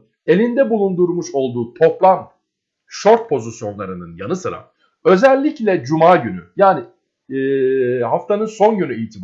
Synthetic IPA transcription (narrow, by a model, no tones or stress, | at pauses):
e̞lʲind̪ɛbulˠund̪uɾmuʃo̞lˠd̪uːt̪ʰo̞plˠam | ʃo̞ɾt̪̚pʰo̞zisjo̞nlˠaɾɯnɯnjanɯsɯɾa̰ | ø̞zɛlʲːiclʲɛd͡ʒumaːɟyny̰jaːni | haft̪ʰanɯnso̞nɟynyijt̪ʰib